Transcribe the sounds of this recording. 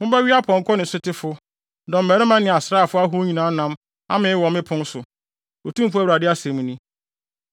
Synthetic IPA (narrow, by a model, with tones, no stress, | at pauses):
mʊ̃˦bɛ˦ɥi˦a˦pʰɔ̃˨ŋ˨kʰɔ˦nɪ̃˨sʊ˦tʰɪ˦fʊ˦ | dɔ̃˨m̩˨mɛ˨ɾɪ˦mã˦nɪ̃˨a˨sɾaː˦˨fʊ˦a˦ɦʊ˦ɲĩ˨nãː˨˦nã˦m | a̰˦mɪ̃˨˦wɔ̃˨mɪ̃˦pʰʊ̃˦n˦sʊ˨ | o˨tũ˦m̩˦p̬ʊ˦a˦wɾa˨dɪ˦a˦sɛ̃˨mũ˨nĩ˦